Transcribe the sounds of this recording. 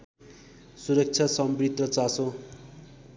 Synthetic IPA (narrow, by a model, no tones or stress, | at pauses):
suɾʌk̚t͡sʰasʌmbrit̪rʌt͡saso